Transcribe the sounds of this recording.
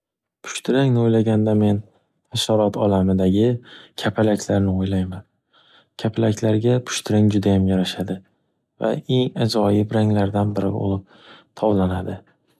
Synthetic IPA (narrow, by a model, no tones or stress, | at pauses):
pʰʊ̥ʃt̪ʰɪɾaŋnɪojlaɡʲand̪ame̞n | haʃaɾɒt̪ʰɒlamɪd̪aɡʲɪkʲʰapʰalakʲʰlaɾnɪojlajman | kʲʰapʰalakʰʲlaɾɡʲapʰʊ̥ʃt̪ʰɪɾaŋd͡ʒʊd̪ajamjaɾaʃad̪ɪ | va̰e̞ŋazɒjɪbɾaŋlaɾd̪anbɪɾɪbo̰lˠɪp̚ | t̪ʰɒwlanad̪ɪ